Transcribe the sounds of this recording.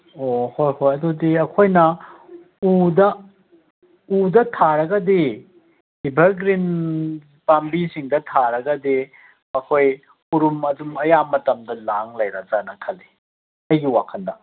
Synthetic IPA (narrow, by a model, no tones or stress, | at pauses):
ohojhojɐdodiɐkʰojnɐ | udɐ | udɐtʰaɾɐɡɐdi | hibʱɐɾɡɾin | pambisiŋdɐtʰaɾɐɡɐdi | ɐkʰoj | uɾumɐdumɐjamɐtɐmdɐlaŋlɐjɾɐzanɐkʰɐli | ɐjɡiwakʰɐndɐ